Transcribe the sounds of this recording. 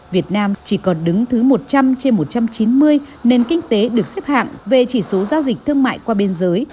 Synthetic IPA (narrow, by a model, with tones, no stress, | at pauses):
vi˨˩ət̚naː˧mt͡ɕi˧˩kɔ˨˦nɗɨ˨˦ŋt̪ʰɨ˨˦mo˨˩t̚t͡ɕa˧mt͡ɕe˧nmo˨˩t̚t͡ɕa˧mt͡ɕi˨˦nmɨ˧əjne˧nkï˧ŋ̟t̪e˨˦ɗɨ˨˩ək̚sɛ˦˥p̚ha̰ː˧˨ŋve˨˩t͡ɕi˧˩so˨˦zaː˧wzi˨˩k̟̚t̪ʰɨ˧əŋma̰ː˧˨jkwaː˧ɓe˧nzəː˨˦j